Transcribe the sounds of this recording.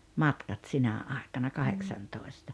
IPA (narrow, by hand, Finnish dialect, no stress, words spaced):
mɑtkɑt sinæ ɑˑekɑnɑ kɑheksɑntoˑestɑ